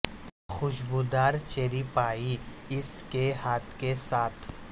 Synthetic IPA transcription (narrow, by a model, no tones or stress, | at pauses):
xʊʃbuːd̪aːɾt͡ʃeːɾipaːi | ɪskehaːt̪ʰkesaːt̪ʰ